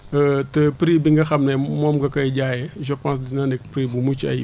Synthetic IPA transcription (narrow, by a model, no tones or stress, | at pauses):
ətəpɾiːbiŋɡɐxɐmnɛmɔmɡɐkɐjɟaːjɛʒəpãːs̬dinanɛk̚pɾibumut͡ʃɐ̰j